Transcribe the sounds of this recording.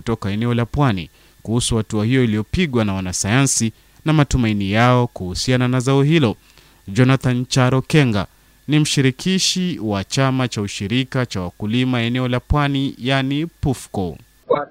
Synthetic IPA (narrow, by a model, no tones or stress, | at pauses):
utɔkaɛnɛɔlapwanḭ | kuhusuhatuahijɔilijɔpiɠwanawanasajansi | namatumainijaɔkuhusiananazaɔhilɔ | d͡ʒɔnaθant͡ʃaɾɔkɛŋɡa̰ | nim̩ʃiɾikʰiʃiwat͡ʃamat͡ʃauʃiɾikat͡ʃawakulimaɛnɛɔlapwanijanipufkɔ